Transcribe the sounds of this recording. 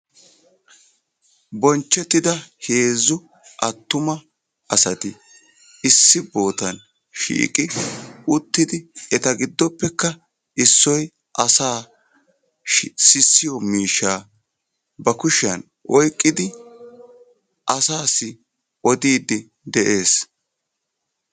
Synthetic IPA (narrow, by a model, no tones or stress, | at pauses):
bɔnt͡ʃːɛt̪ːɪd̪ɐhe̞ːzːʊ | ʔɐt̪ːʊmɐ | ɐsɐt̪ɪ | ɪsːɪbo̞ːt̪ɐn | ʃḭːkʼɪʊt̪ːɪd̪ɪɛt̪ɐɡɪd̪ːɔpːɛkːɐ | ɪsːɔj | ʔɐsaː | sɪsːɪjɔmiːʃːaː | bɐkʊʃɪɐn | ʔɔjkʼːɪd̪ɪ | ʔɐsaːsːɪ | ɔd̪iːd̪ɪ | d̪ɛʔe̞ːs